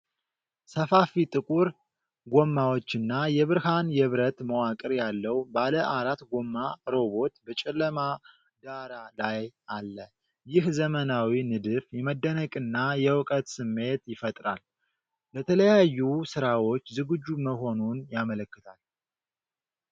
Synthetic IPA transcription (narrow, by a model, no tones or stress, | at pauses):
səfafit̪ʼɨkʼuɾ | ɡomːawo̞t͡ʃːɨnːajɛβɨɾhanjɛβɾət̪məwakʼɨɾjalːəwbaləʔaɾat̪ɡo̞mːaɾo̞βo̞t̪bət͡ʃʼɛlːəma | d̪aɾalajʔalːə | jɪhzəmənawinɨd̪ɨfjɛməd̪ːənəkʼɨnːajɛwkʼət̪sɨmːe̞t̪jɪfət̪ʼɾa̰l | bət̪ʰələjajːusɨɾawo̞t͡ʃːzɨɡɨd͡ʒːuməɦo̞nunjamələkːɨt̪ʰal